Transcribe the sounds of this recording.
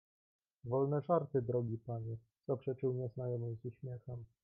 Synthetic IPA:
vɔlnɛʐaɾt̪ɘd̪ɾɔɡʲipaɲi | z̥apʂɛt͡ʂɘwɲɛznajɔmɘmzuɕmʲjɛxɛm

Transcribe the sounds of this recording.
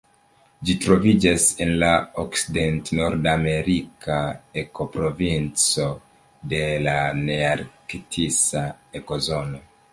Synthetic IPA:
d͡ʒitɾo̞vid͡ʒase̞nlaokside̞ntno̞ɾdame̞ɾikaeko̞pɾo̞vint͡so̞ | de̞laneaɾkitʰisaeko̞zo̞no̞

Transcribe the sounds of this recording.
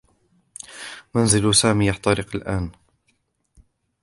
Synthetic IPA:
manzɪlsaːmiːjaħt̪aɾɪqalʔaːn

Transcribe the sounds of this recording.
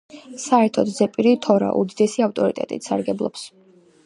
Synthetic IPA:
saɛɾt̪ʰɔd̪zɛpʼiɾit̪ʰɔɾa̰ʔṵd̪id̪ɛsiaft̪ʼɔɾḭt̪ʼɛ̰t̪ʼḭt̪ʰsa̰ɾɡɛblˠɔ̰ps

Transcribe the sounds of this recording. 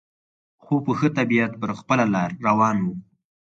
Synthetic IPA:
xopəxət̪abijat̪̚pəɾxpəlalɑɾːawɑnwu

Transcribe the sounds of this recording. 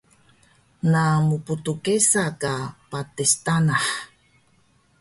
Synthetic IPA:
namuputukesakapatistanaħ

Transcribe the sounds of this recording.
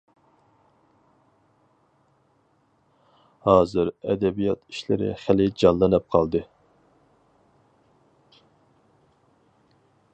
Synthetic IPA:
hɑːzɨɾɛd̪ɛbijɑt̪i̥ʃlɪ̰ɾɪ̰χælɪd͡ʒɑnlˠɨnɨp̚qʰɑlˠd̪ɨ

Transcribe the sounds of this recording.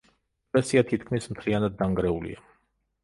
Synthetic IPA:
t̪ʼɛsiat̪ʰit̪kʰmismt̪ʰlianad̪ːaŋɡɾɛulḭa

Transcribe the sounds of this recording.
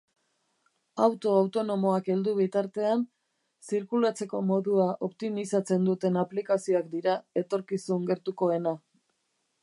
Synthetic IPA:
awt̪o̞awt̪o̞no̞mo̞ake̞ld̪uβ̞it̪aɾt̪e̞an | siɾkulat͡se̞ko̞mo̞ðuaʔo̞pt̪imisat͡se̞nd̪ut̪e̞naplikasio̞akd̪iɾae̞t̪o̞ɾkisuŋɡe̞ɾt̪uko̞e̞na

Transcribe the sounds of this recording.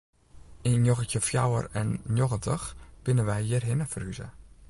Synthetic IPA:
injoɣətjəfja̰wə̰rɛnnjoɣətəxkɪnəʋɛjɪərɦɪnəfəryzə̰

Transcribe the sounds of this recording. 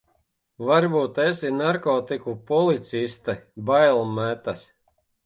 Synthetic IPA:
vaɾbuːt̪ɛsinaɾkɔːt̪ikupɔlˠit̪sist̪ɨbajlˠmæt̪as

